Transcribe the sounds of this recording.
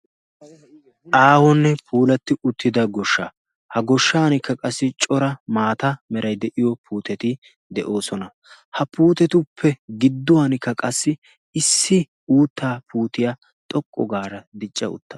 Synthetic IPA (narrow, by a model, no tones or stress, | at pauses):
ʔaːwɔnːɛpʰuːlɐt̪ːɪʊt̪ʰːɪd̪ɐɡɔʃːa̰ | hɐɡɔʃːaːnɪkːɐkʼɐsːɪt͡ʃʼɔɾɐmaːt̪ɐmɛɾɐjd̪ɛʔɪjɔpʰuːt̪ɛt̪ɪ | d̪ɛʔo̞ːsɔnɐ | hɐpuːt̪ɛt̪ʊpʰːɛɡɪd̪ːʊwanɪkːɐkʼɐsːɪ | ɪsːɪ | uːt̪ːaːpʰuːt̪ɪja | t̪ʼɔkʼːɔɡaːɾɐd̪ɪt͡ʃʼːɐʊ̰t̪ːɐ̥